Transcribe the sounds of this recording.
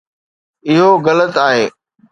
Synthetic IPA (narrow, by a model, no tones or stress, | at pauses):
ɪɦoɣɐlət̪aːɦeː